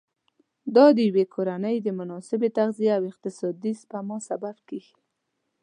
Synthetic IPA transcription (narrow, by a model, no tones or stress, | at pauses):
d̪ɑd̪əjwekʰoɾanəjd̪əmʊnɑsɪbet̪aɣzieawɪq̚t̪ɪsɑd̪ispamɑsababkeɡi